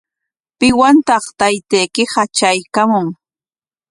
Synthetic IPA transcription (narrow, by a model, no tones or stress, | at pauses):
pɪwant̪ɑχt̪ajt̪ejkɪhat͡ʃajkamʊŋ